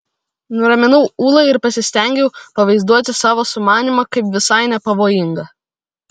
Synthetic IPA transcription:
nʊɾɐmʲɪnɐʊuːlˠɐɪɪɾpɐsʲɪsʲt̪ʲɛˑŋʲɡʲɛʊpɐʋɐɪzd̪uɔt̪ʲɪsɑːʋoːsʊmɑːnʲimɐkɐɪpʋʲɪsɐɪnʲɛpɐʋoːjɪŋɡɐ

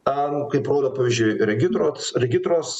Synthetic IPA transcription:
ɐnʊkɐɪpɾoːd̪ɐpɑːʋʲizʲd͡ʒʲʊɪɾʲɛɡʲɪt̪ɾoːsɾʲɛɡʲɪt̪ɾoːs

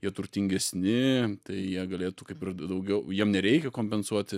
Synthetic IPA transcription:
jiɛt̪ʊɾʲt̪ʲɪŋʲɡʲɛsʲnʲɪt̪ɐɪjiɛɡɐlʲeːt̪uːkɐɪpɪrd̪ɐʊɡʲɛʊjiɛmnʲɛɾʲɛɪkʲɛkoːmʲpʲɛnsuɔt̪ʲɪ

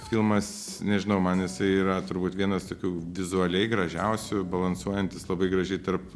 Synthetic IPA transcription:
fʲilˠmɐs | nʲɛʒʲɪnɐʊmɐnɪsɐɪiːɾɐt̪ʊɾbuːt̪ʋʲiɛnɐst̪oːkʲuːʋʲɪzʊɐlʲɛɪɡɾɐʒʲɛʊsʲʊbɐlˠɐnsuɔjɛnʲt̪ʲɪslˠɐbɐɪɡɾɐʒʲɛɪt̪ɐrp

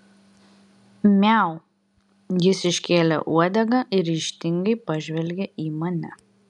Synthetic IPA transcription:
mʲɛˑʊ | jɪsɪʃʲkʲeːlʲɛ̰ʔuɔd̪ʲɛɡɐʔɪɾɾʲiːʃʲt̪ʲɪŋɡɐɪpɐʒʲʋʲɛlʲɡʲɛʔiːmɐnʲɛ

